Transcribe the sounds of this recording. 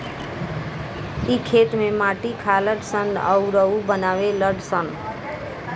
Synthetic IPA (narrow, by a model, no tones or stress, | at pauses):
ikʰet̪memaʈikʰaləɖsənə̰uɾəubənaweləɖsən